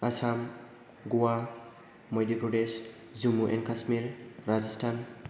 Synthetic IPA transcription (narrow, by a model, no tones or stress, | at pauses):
asam | ɡuwa | mojdipɾɔdes | zumuʔɛ̰nkasmiɾɾazistʰan